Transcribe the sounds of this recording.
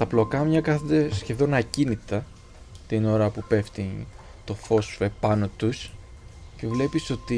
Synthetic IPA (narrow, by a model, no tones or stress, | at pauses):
t̪ɐplo̞kɐmɲɐkɐθond̪e̞scefðo̞nɐcinit̪ɐ | t̪ino̞ɾɐpupe̞ft̪i | t̪o̞fo̞sfepɐno̞t̪us | cevle̞piso̞t̪i